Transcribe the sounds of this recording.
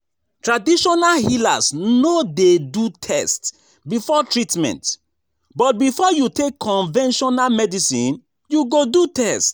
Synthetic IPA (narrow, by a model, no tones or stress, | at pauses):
tɹadiʃɔnalhila̰snodedutʰɛst | bifɔtɹitmɛ̰̃nt | bɔt̚bifɔjutekʰːɔ̃nvɛ̃nʃɔnalmɛdisḭ̃n | juɡodutɛst